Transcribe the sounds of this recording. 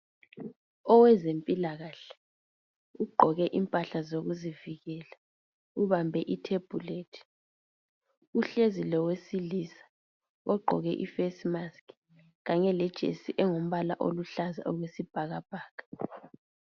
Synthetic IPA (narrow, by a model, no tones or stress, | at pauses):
ɔwɛzempʼilaɣaɬɛ̥ | uɡ͡ǃʱɔɣɛʔimpʼaɬazoɣuziviɣɛːla | uβambʱɛʔitʰeb̥ʱuleːtʰi̥ | uɬezilɔwesilisḁ | ɔɡ͡ǃʱɔ̰ɣɛ̰ʔḭfesmaskʰ | ɣaɲɛlɛd̥ʒ̥ʱḛsiʔɛŋom̩βalaʔo̰luɬaza̰ʔɔɣwesib̥ʱaɣab̥ʱaːkḁ